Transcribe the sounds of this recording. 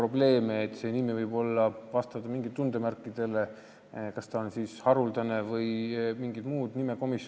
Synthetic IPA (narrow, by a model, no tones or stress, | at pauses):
ro̞ble̞ːmeːt̪ːˑse̞nimivɤjbo̞lːɑvɑst̪ɑt̪ːɑmiŋɡ̥it̪t̪und̪̥e̞mærkːˑid̪̥e̞le̞ | kɑst̪ɑonsiːshɑɾuld̪ɑne̞vɤjmiŋɡid̪̥muːd̪nime̞ko̞mis